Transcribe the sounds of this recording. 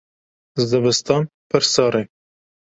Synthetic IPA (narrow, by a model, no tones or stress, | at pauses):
zd̪ɐbɨst̪ɑːnpʰɨɾsɑːɾe